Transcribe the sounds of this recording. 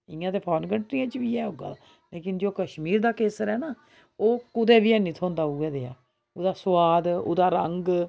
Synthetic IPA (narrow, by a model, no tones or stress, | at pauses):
ɪːãːt̪eːpʰɔːnɡəɳʈɾijãːt͡ʃʋiːɛːɦoːɡa̰ː | leːkɪnd͡ʒoːkəʃmiːɾd̪aːkeːsəɾɛːnaː | oːkʊd̪eːbiɛːnĩːt̪ʰõːnd̪aːuːɛːd̪eːa̰ː | oːd̪aːswaːd̪o̰ːd̪aːɾəŋɡ